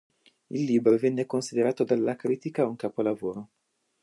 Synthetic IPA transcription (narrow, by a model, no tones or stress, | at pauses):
ḭlːiːbɾovɛnːekonsid̪eɾaːt̪od̪alːakɾiːt̪ikauŋkaːpolavoːɾo